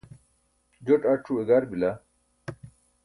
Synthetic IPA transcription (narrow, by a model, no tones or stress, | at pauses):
d͡ʑoʈɐʈ͡ʂʰueɡaɾbila